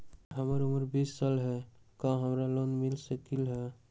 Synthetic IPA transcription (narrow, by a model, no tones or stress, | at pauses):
ɦəməɾʊməɾbisːalɦɛkãɦəmɾalonmɪlsəkilɦɛ